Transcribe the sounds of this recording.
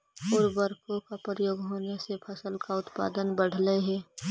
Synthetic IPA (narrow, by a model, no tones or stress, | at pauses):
ɔːɾbəɾkõkapəɾəjoːɡɦoːnesepʰɐsəlkaʊt̪pa̰ːd̪ənbəɽ̤leɦɛː